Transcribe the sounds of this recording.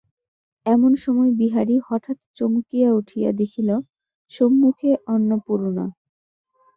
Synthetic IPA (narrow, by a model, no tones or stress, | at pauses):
ɛmonʃɔmɔebiɦaɾihɔʈʰat̪t͡ɕomukijauʈʰija̰d̪ekʰilo | ʃomːukʰeʔɔnːopuɾona̰